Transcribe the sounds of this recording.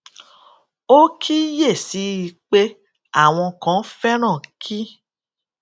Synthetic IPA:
o˦kʰi˦je˦˨si˨˦i˧k͡pe˦ | a˦˨w̃ɔ̃˧kã˨˦fɛ˦ɾ̃ã˦˨kʰi˦

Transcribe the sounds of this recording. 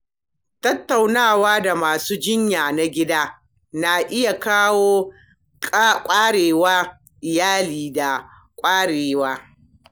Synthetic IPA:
tɐ˦tːa˨wnaː˦˨waː˦da˨maː˨suː˦d͡ʒɪ˦ɲjaː˨na˦ɡʲɪ˦daː˦ | na˨ʔɪ˦ja˨kaː˦woː˦ | kʼa˦kʷʼaː˦ɽeː˨waː˦ | ʔɪ˨jaː˦liː˨da˨ | kʷʼaː˦ɽeː˨waː˦

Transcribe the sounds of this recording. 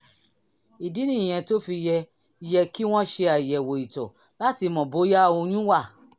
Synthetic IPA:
i˨di˨˦nĩ˦˨j̃ɛ̃˨˧to˦fi˧jɛ˧ | i˧jɛ˧ki˦w̃ɔ̃˦ʃe˧a˨jɛ˨wo˨i˨tɔ̰˨ | la˨˦ti˧mɔ̃˨bo˨˦ja˦˧o˧ñũ˦wa˦˨

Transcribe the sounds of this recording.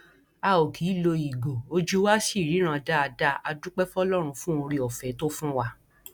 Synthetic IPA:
a˨˧˨o˨kʰi˨˦˨lo˧i˨ɡo˨o˦d͡ʒu˦wa˦si˦˨ɾi˨˦ɾ̃ã˧da˦a˧da˦a˧du˦k͡pɛ˦fɔ˦lɔ˦ɾ̃ũ˧fũ˦o˧ɾĩ˧ɔ˨fɛ˨˦to˦fũ˦wa˦

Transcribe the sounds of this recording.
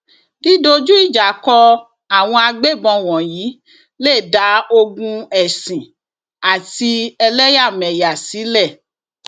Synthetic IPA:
di˦do˧d͡ʒu˦i˦˨d͡ʒa˨˦kɔ˧ | a˨w̃ɔ̃˧a˧ɡ͡be˦˨bɔ̃˧w̃ɔ̃˨jiː˨˦ | leː˦˨da˨˦o˧ɡũ˧ɛ˨sĩ˨ | a˨ti˧ɛ˧lɛ˦ja˦˨mɛ˨ja˨si˨˦lɛ˦˨

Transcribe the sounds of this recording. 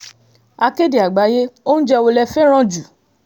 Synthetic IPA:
a˧ke˦de˨a˨ɡ͡ba˨˦je˦o˦n̩˦d͡ʒɛ˧o˧lɛ˧fɛ˦ɾ̃ã˦d͡ʒu˨

